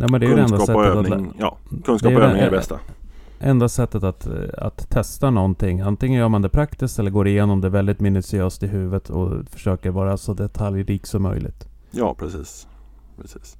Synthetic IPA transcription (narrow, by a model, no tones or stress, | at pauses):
jʔuːmɛnd̪ɛæjd̪ɛnsd̪aɑsɛɔøːanjɑ̰ːkʰɵnsk̪dɑːɛjøːnɪŋɛbɛst̪a̰ | ʔɛnd̪asɛt̪ːət̪at̪a̰t̪ʰːɛst̪anɔnt̪ʰɪŋːant̪ɪŋːənjœːɾmand̪ɛpʰɾakt̪ɪskt̪ɛlːəɾɡoːɾɪjeːnɔmd̪ɛːvɛld̪ɪt̪mɪnʉsɪøːst̪ɪɦʉ̟ːvət̪ʰɔ̰fœ̥ʂøːkəɾvɑːɾasɔd̪ɛt̪ʰaljɾiːksɔmːœ̰jlɪ̰t̪ | jɑ̰ːpʰɾɛsiːs | pʰɾɛsi̥ːs